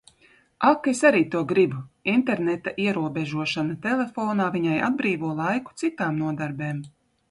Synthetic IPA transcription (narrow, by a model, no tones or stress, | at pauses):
akesaɾiːt̪uɔɡɾibuint̪eɾnɛt̪aʔiɛɾuɔbeʒuɔʃanat̪elʲˠefɔːnaːviɲaja̰d̪̚bɾiːvuɔlˠajku̥t̪sit̪aːmnuɔd̪aɾbeːm